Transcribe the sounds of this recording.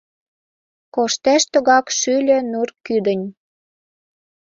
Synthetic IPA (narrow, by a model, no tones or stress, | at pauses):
koʃt̪æʃt̪ŏɣɑkʃylʲø̆nurkyd̪ə̆nʲ